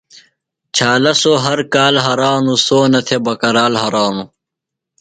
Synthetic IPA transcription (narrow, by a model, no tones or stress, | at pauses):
t͡ɕʰaːlɐsoːɦɐɾkaːlɦɐɾaːnusoːnɐt̪ʰebɐkɐɾaːlɦɐɾaːnu